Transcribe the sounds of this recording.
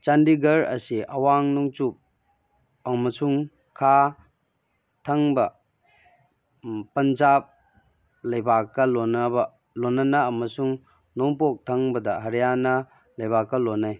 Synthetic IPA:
t͡ʃandiɡɐɾɐ̰siʔɐwaŋnɔŋt͡ʃup̚ | ɐmɐsuŋ | kʰa | tʰɐŋbɐ | pɐnd͡ʒap̚ | lɐjbakːɐlonɐbɐ | lonːɐnɐɐmɐsuŋ | nɔŋpok̚tʰɐŋbɐdɐɦɐɾjanɐ | lɐjbakːɐlonːaj

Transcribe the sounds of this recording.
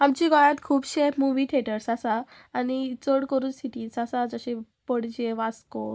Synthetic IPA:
amt͡ɕiɡɔjãt̪kʰuːbɕemuʋiːt̪ʰeʈəɾsasaː | nit͡səɽkəɾuːnsiʈiːnsasad͡zəɕe | pəɽd͡ʑeʋasko

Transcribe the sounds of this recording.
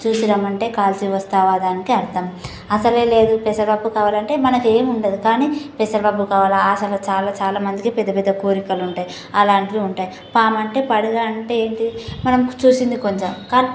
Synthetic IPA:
t͡ʃuːsinɐmɐɳʈe̞ːkaːlt͡ʃiʋɐst̪aːʋaːd̪aːnikiɐɾt̪ɐm | ɐsɐleːle̞ːd̪upɛsɐɾbabukaːʋaːlɐɳʈe̞ːmɐnɐke̞ːmuɳɖɐd̪ikaːniːpɛsɐɾbɐbukaːʋaːlɐaːsɐlɐt͡ʃaːlat͡ʃaːlaːmɐnd̪ikipɛd̪ːɐpɛd̪ːɐkoːɾikɐluɳʈaːji | ɐlaːɳʈid̪iuɳʈaːji | paːmɐɳʈe̞ːpɐɽiɡaːɐɳʈeeːɳʈ̪imɐnɐmt͡ʃuːsind̪ikoɲt͡ʃɐmkaːni

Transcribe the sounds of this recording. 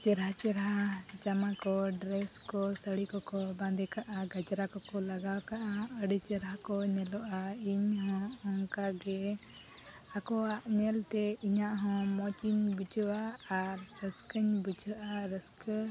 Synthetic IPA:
t͡ʃɛɾɦat͡ʃɛɾɦad͡ʒamakɔɖɾɛskɔsəɽikɔkɔbãnd̪ɛkaʔaɡad͡ʒɾakɔkɔlaɡawkaʔaəɖit͡ʃɛɾɦakɔɲɛlɔʔaiɲɦɔ̃ɔŋkaɡɛ | akɔaʔɲɛlt̪ɛiɲaʔɦɔ̃mɔt͡ʃinbud͡ʒɔwaːɾːəskəɲbud͡ʒəʔaɾəskə

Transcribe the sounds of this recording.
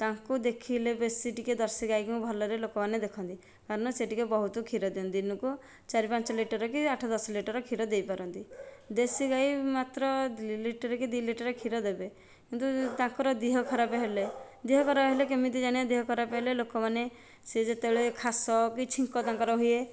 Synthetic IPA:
t̪aŋkud̪ekʰilebesiʈiked̪ɔɾsiɡaikĩũbʱɔlɔɾelokɔmaned̪ekʰɔnt̪i | kaɾɔɽ̃ɔseʈikebɔɦut̪ɔkʰiɾɔd̪iɔ̃nd̪inɔku | t͡ʃaɾipãnt͡ʃɔliʈɔɾɔkiaʈʰɔd̪ɔsɔliʈɔɾɔkʰiɾɔd̪ejpaɾɔnt̪id̪esiɡajmat̪ɾɔliʈɔɾekid̪iliʈɔɾɔkʰiɾɔd̪ebe | kint̪ut̪ãŋkɔɾɔd̪iɦɔkʰɔɾabeɦele | d̪iɦɔkʰɔɾabɦelekemit̪id͡ʒaɽ̃iɔd̪iɦɔkʰɔɾabeɦelelokɔmane | sed͡ʒet̪ebeɭekʰasɔkit͡ʃʰiŋkɔt̪ãŋkɔɾɔɦuije

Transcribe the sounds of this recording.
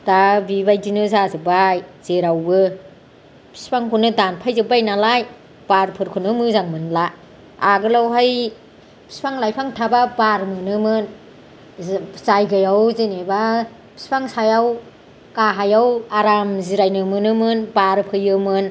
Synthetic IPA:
d̥abibajdinɯzazɯbajz̥eɾawbɯ | pʰi̥spʰaŋkʰunɯdanpʰajzɯbajnalaj | b̥aɾpʰɯɾkʰɯnɯmɯzaŋmɯnla | aɡɯlawɦaj | pʰi̥spʰaŋlajpʰaŋtʰababaɾmɯnɯmɯn | zajɡɯjawzeneba | pʰi̥spʰaŋsajaw | kaɦajawaɾamziɾajnɯmɯnɯmɯnbaɾpʰɯjɯmɯn

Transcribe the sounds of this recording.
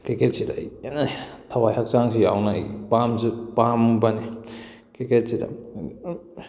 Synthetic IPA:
kɾiket̚sidanatʰawajhak̚saŋsijawna̰jpamzipambani | kɾiket̚sida̰

